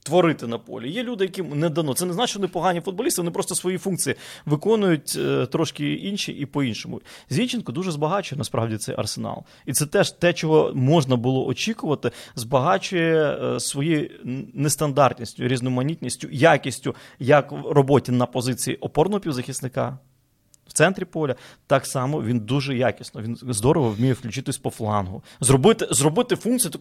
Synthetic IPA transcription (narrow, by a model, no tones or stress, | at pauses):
t̪ʋɔɾɪt̪ɪnɐpɔ̰lʲijɛlʲud̪ɪjɐkɪmnɛd̪ɐnɔt̪sɛneznɑt͡ʃʋɔnɪpɔɦɑnʲifʊd̪̚bɔlʲisɪʋɔnɪpɾɔst̪ɔsʋɔjifunk̚t͡sʲijiʋɪkɔnʊjʊt̚ʲt̪ɾɔʃkɪinʃḭʔipɔinʃɔmʊ̰zʲʋʲinʲt͡ʃɪnkɔd̪uʒɛzbɐɦɑt͡ʃʊjɛnɐspɾɑ̰ʋwdʲit̪sɛ̰jʔɐ̰rsenɑ̰lˠ | it̪sɛt̪ɛʒt̪ɛt͡ʃɔɦɔmɔʒnɐbʊlˠɔʔɔt͡ʃʲikʊʋɐt̪ɪzbɐɦɑt͡ʃʊjɛsʋɔjijnest̪ɐnd̪ɑrt̪ʲnʲisʲtʲʊɾʲiznɔjʊmɐnʲit̪ʲnʲisʲtʲʊjakʲisʲtʲʊjɐkrɔbɔtʲinɐpɔzɪt͡sʲijḭʔɔpɔrnɔɦɔpʲiwzɐxʲisnɪkɑ̰ | w̥t̪sɛnt̪ɾʲipɔlʲɐt̪ɑksɑmɔʋʲind̪uʒɛjakʲisnɔʋʲinzd̪ɔɾɔʋɔwmʲijɛwklʲʉt͡ʃɪt̪ɪsʲpɔflˠɑnɦʊ | zrɔbɪt̪ɪzrɔbɪt̪ɪfunk̪̚t͡sʲijit̪